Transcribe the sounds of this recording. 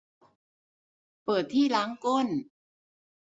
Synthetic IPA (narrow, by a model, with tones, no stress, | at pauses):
pɤː˨˩t̪ʰːiː˥˩laː˦˥ŋko˥˩n